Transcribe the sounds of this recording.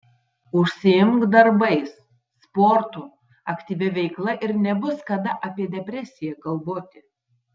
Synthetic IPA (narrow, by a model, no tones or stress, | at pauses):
ʊʃʲsʲɪɪmkd̪ɐɾbɐɪsː | pɔːɾt̪u | ɐkt̪ʲiːʋʲɛʋʲɛɪklˠɐʔɪɾnʲɛbʊskɐd̪ɐʔɐpʲiɛd̪ʲɛpʲɾʲɛsʲɪjɛkɐlˠboːt̪ʲɪ